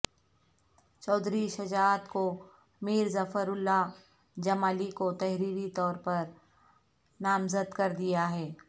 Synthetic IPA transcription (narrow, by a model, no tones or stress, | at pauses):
t͡ʃɔːd̪ʱɾiʃɐd͡ʒaːt̪ko | miːɾzɐfəɾʊlːa | d͡ʒɐmaːlikot̪ɛɦɾiːɾit̪ɔːɾpɐɾ | naːmzəd̪kɐɾd̪ijaɦɛː